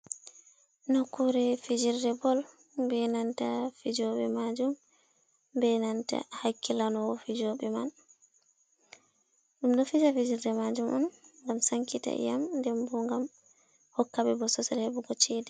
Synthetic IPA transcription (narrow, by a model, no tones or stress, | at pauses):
nɔkːuɾɛfid͡ʒirdɛbɔl | bɛnantafid͡ʒɔɓɛ̰mad͡ʒum | bɛnanta̰hakːilanɔwɔfid͡ʒɔɓɛman | ɗumɗɔfid͡ʒafid͡ʒiɾdɛmad͡ʒumɔnŋɡamsaŋkita̰ʔḭjamndɛmbɔŋɡam | hɔkːaɓɛbɔsɔsɛlhɛbuɡɔt͡ʃɛdɛ